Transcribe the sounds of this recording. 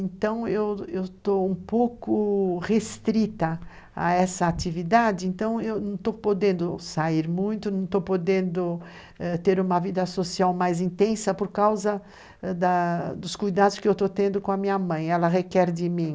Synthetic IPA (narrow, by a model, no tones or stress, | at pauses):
ẽnt̪ɐ̃w̃ewewt̪oũpowkʊʁest̪ɾit̪ɐ | a̰ɛsɐːt̪ivid̪ad͡ʒɪẽnt̪ɐ̃w̃ewnɐ̃w̃t̪opod̪ẽnd̪ʊsaiɾmũj̃t̪ʊnɐ̃w̃t̪opod̪ẽnd̪ʊ | ɛt̪eɾũmɐvid̪ɐsosiawmajzĩnt̪ẽsɐpoɾkawzɐ | d̪ɐd̪ʊskujd̪ad̪ʊskɪewt̪ot̪ẽnd̪ʊkõɐmĩɲɐmɐ̃j̃ɛlɐɦekɛɾd̪ɪmĩ